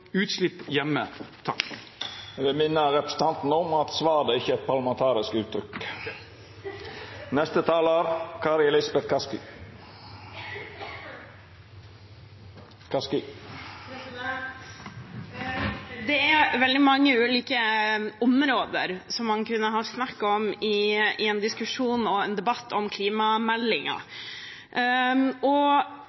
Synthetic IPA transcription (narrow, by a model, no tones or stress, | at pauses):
ʉːt̪slɪpːjɛmːət̪ʰɑ̰kː | d̪ɛmɪnːəɾɾɛpɾə̥s̩t̪ʰɑnt̪n̩ɔmɑt̪sʋɑːd̪əɪçːəɛt̪̚pʰɑɾlɑmɛnt̪ʰɑːɾɪskʉːt̪ʰːɾʏk | nɛst̪ət̪ʰɑːləɾkʰɑɾɛlɪsbɛt̪kɑskɪ | kʰɑskɪ | d̪ɛæɾʋɛld̪ɪmɑŋːəʉːliːkəɔmɾoːd̪ə̰ɾsɔmːɑnkʉnːəɦɑsnɑkːɔmɪɪɛnd̪ɪskʉʂuːnɔɛnd̪ɛbɑt̪ːɔmkʰliːmɑmɛlːɪŋɑ̰ | ʔɔ